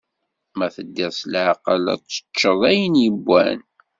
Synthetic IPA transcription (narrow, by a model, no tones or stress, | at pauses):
mæθəd̪ːɪʁslʕɑqə̰læ̰t͡sːə̥t͡ʃːəðˤæjənjəbːæ̰n